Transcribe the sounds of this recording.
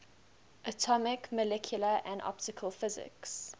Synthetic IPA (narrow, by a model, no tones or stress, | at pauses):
ʔətʰɔmɪkməlɛkʰjuləʔæ̃ndɔ̰p̚tɪkʰəlˠfɪzɪ̰ks